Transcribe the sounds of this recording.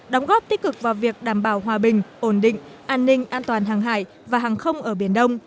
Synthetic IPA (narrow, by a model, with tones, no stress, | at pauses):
ɗɔ˨˦wŋ͡mɣɔ˦˥p̚t̪i˦˥k̚kɨ˨˩k̚vaː˨˩wvi˨˩ək̚ɗaː˧˩mɓaː˧˩wɦwaː˨˩ɓï˨˩ŋ̟ʔo˧˩nɗḭ̈˧˨ŋ̟ʔaː˧nːï˧ŋ̟ʔaː˧nt̪waː˨˩nɦaː˨˩ŋɦa̰ː˧˩j | vaː˨˩ɦaː˨˩ŋxə˧wŋ͡mʔəː˧˩ɓi˧˩ənɗə˧wŋ͡m